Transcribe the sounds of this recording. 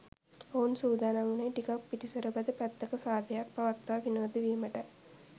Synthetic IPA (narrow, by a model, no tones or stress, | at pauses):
oːnsuːd̪ʱaːnaŋunɐjʈikapːiʈisɐɾɐbɐd̪əpæt̪ːɐkɐsaːd̪jakpɐʋɐkt̪ːaːʋinoːd̪iʋiməʈə